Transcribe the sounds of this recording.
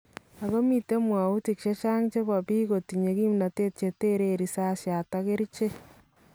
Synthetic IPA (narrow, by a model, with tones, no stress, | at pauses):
a˨ɣo˦mi˦te˦mwa˨u˦ti˨ki˨ʃe˦t͡ʃa˦ŋt͡ʃe˦βa˨βiː˦ɣo˨ti˨ɲe˨ɣi˦mi˨na˨te˦te˨te˦ɾeɾi˨sa˦sja˨ta˦ɣe˦ɾi˦t͡ʃe˦